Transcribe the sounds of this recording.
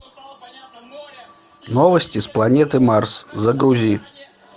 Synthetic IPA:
nɔvɐsʲtʲisplˠanʲɛt̪ɨmarszɐɡɾuzʲi

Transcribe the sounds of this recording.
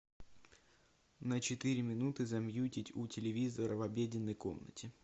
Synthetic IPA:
nət͡ɕɪt̪ɨɾʲɪmʲɪnut̪ɨzɐmjutʲɪtʲutʲɪlʲɪvʲizəɾəvɐbʲedʲɪnːəjko̞̰mnə̰tʲɪ

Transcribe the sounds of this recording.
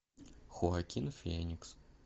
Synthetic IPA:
xʊakʲinfʲenʲiks

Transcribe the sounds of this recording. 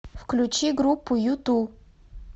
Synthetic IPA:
fklʲʊt͡ɕiɡɾupːʊjut̪u

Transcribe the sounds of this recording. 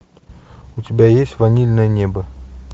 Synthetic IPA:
ʊtʲɪbʲajesʲtʲvanʲilʲnəjənʲebə

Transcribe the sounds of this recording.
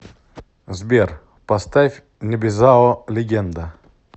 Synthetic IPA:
zbʲer | pɐst̪afʲ | nʲɪbʲɪzaɔlʲɪɡʲend̪ə

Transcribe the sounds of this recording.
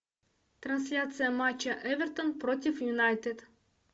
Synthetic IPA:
t̪ɾanslʲat̪sijamat͡ʃɐʔɛvɛɾt̪onpɾɔt̪ʲifjunajt̪et̪

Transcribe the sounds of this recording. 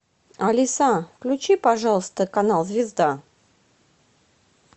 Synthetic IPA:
ɐlʲɪsafklʲʊt͡ɕipaʐalˠəst̪əkanalˠzvʲɪzd̪a

